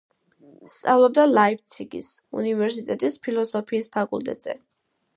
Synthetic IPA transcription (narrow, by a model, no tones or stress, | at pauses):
st̪sʼavlˠɔb̚d̪alaip̚t̪sʰiɡḭsṵnivɛɾsit̪ʼɛt̪ʼispʰilˠɔsɔpʰiːspʰakʼṵlˠt̪ʼɛ̰t̪ʼz̥ɛ̰